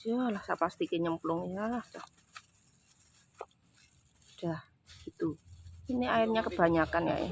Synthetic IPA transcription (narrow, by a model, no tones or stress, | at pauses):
jalahsapast̪ikeɲəmplʊŋjahsa | ud̥ah | ɡ̥it̪uiniaɪrɲakəb̥ä̤ɲakanja̰ḛ